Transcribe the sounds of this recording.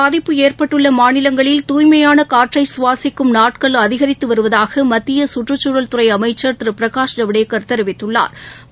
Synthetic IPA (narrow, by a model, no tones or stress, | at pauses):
paːðɪpːɯeːrpɐʈːɯɭːɐmaːnɪlɐŋɡɐɭɪlt̪uːjmɐjaːnɐkaːʈrɐɪsʊʋaːsɪkːɯmnaːʈkɐɭɐðɪɣɐɾɪt̪ːɯʋɐɾɯʋɐðaːɣɐmɐt̪ːɪjɐsʊʈrɯt͡ʃːʊɾɐlt̪ʊɾɐɪɐmɐɪt͡ʃːɐɾt̪ɪɾɯpɪɾɐkaːʂɐɳɐʋɪɽeːkːɐɾt̪ːɛɾɯʋɪt̪ːɯɭːa̰ːɾ